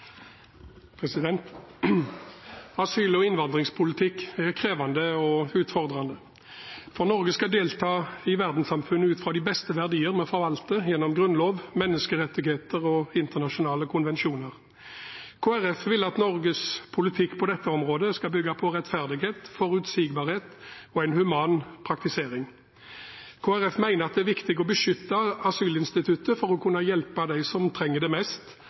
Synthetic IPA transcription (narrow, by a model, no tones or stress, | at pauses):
pʰʁɛsɪd̪ɛnt̪ | ɑsyːlɔɪnʋɑnd̪ʁɪŋspʰʊlɪt̪ʰɪkːæʁkʰʁeːʋɑnd̪əɔʉːt̪fɔʁd̪ʁɑnd̪ə | fɔʁnɔʁɡəskɑd̪eːlt̪ʰɑːɪʋæʁd̪n̩sɑmfʉnːəʉːt̪fʁɑːd̪ɪbɛst̪əʋæʁd̪iːəʁmɛfɔʁʋɑlt̪əjɛnːɔmɡʁʉnloːʋmɛnːəskəʁɛt̪ːɪɡheːt̪əʁɔɪnt̪əʁnɑʃʊnɑːləkʰʊnʋɛnʃuːnəʁ | kʰoːæʁɛfʋɪlːəɑt̪nɔʁɡəspʰʊlɪt̪ʰɪkːpʰɔd̪ɛt̪ːəɔmʁoːd̪əskɑlbʏɡːɑpʰɔʁɛt̪fæʁd̪ɪɡeːt̪fɔɾʉt̪siːɡbɑːʁheːt̪ɔæɪnhʉmɑːnpʰɾɑk̚t̪ɪseːʁɪŋ | kʰoːæʁɛfmæɪnəɑt̪̚d̪ɛæɾʋɪkt̪ɪɡɔbəʃʏt̪ːɑɑsyːlɪnst̪ɪt̪ʰʉt̪ːəfɔʁɔkʰʉnːɑjɛlpɑd̪æɪsɔmt̪ʰɾɛŋːəd̪ɛmɛst̪